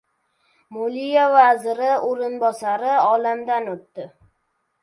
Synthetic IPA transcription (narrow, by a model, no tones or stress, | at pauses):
molijavazɪɾɪoɾɪnbɒsaɾɪɒlamd̪anot̪ːɪ